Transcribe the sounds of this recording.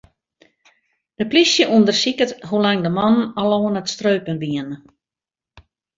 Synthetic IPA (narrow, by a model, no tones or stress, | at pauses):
d̥əplisjəʔundərsikəthulaŋdəmɔnnaloːnətstrøːpənʋiənə